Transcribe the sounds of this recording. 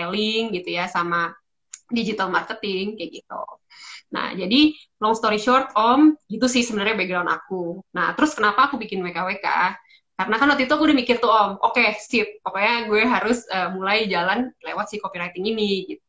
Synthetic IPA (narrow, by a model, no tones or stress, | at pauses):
elɪŋɡit̪ujasama | did͡ʒit̪almarkət̪ɪŋkaɡit̪ṵ | na̰hd͡ʒadi | lɔŋst̪oɾiʃɔrt̪̚ɔmɡit̪usɪhsəbənərɲabeɡ̚dɾawnʔa̰kuna̰ht̪əɾʊskənapaːkubikɪnwekaweka̰ | kaɾənakanwat̪it̪uakuːdamikɪrt̪uɔmʔokesɪp̚pakoɲaɡuɛɦaɾʊsəmulajd͡ʒalanlḛwat̪sɪhkopiɾajt̪ɪŋiniɡit̪̚u̥